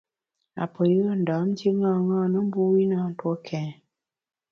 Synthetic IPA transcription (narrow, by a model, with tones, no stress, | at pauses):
a̰˨pə˨jə˦˨n̩˨da˨˦m˦d͡ʒi˦ŋa˦˨ŋaː˦nə˦m̩˦bu˦wi˦na˦˨n̩˦twɔ˦kʰɛ̃˨